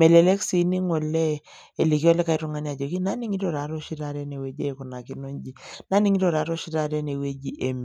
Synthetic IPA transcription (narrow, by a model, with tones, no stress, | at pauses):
mɛ˨le˨lɛ˦ksi˨˦ni˦ŋɔ˨lɛ˦ | e˨li˨ki˦ɔ˦lɛ˦ka˨i˦ɾu˦˨ŋa˨˦ni˦a˨d͡ʒo˨ki˦na˦ni˦ŋi˦ɾo˨ɾa˨˦ɾo˦ʃi˦ɾa˨ɾɛ˦ne˨we˦d͡ʒe˦˨ku˨na˨ki˦no˦nd͡ʒi˨na˦ni˦ŋi˦ɾo˦˨ɾa˨˦ɾo˦ʃi˦ɾa˨˦ɾɛ˦ne˨we˦d͡ʒi˦ʔe˨mi˨